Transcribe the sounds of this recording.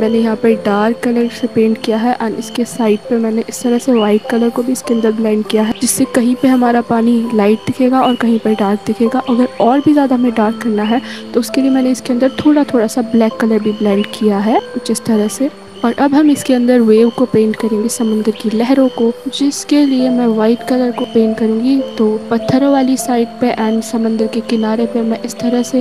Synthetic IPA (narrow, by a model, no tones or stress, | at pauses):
mɛːnejɐɦãpɐɾɖaːɾkːɐləɾsepẽːɳʈkijaɦɛʔɐnɪskesaːɪʈ̚pɐɾmɛ̃ːneʔɪst̪ɐɾəɦseʋaːɪʈ̚kɐləɾkobʱiɪskeɐ̃nd̪əɾblɛ̃ːɳɖkijaɦɛd͡ʒɪsːekɐɦĩpeɦɐmaːɾapaːnilaːɪʈ̚d̪ɪkʰeːɡaɔːɾkɐɦĩpɐɖaːɾk̚d̪ɪkʰeːɡaʔɐɡəɾɔːɾbʱizjaːd̪aɦɐmẽɖaːɾkɐɾnaɦɛt̪oʊskeliemɛ̃ːneɪskeɐ̃nd̪əɾt̪ʰoːɽat̪ʰoːɽasablɛːkːɐləɾbʱiblɛ̃ːɳɖkijaɦɛːʊt͡ʃɪst̪ɐɾəɦse | ɔːɾʔɐbɦɐmɪskeɐ̃nd̪əɾʋeːʋkopẽːɳʈkɐɾẽːŋɡesɐmə̃nd̪əɾkilɛɦɾõkod͡ʒɪskeliemɛ̃ʋaːɪt̪kɐləɾkopẽːɳʈkɐɾũːɡit̪oːpɐt̪ʰːəɾʋaːlisaːɪɖ̚peʔɛ̃ːnɖsɐmə̃nd̪əɾkekɪnaːɾepemɛ̃ʔɪst̪ɐɾəɦse